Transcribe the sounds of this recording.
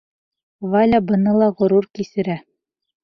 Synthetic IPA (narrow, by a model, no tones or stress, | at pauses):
valʲabɤ̆nɤlˠɑʁŏɾuɾkisɘ̆ɾæ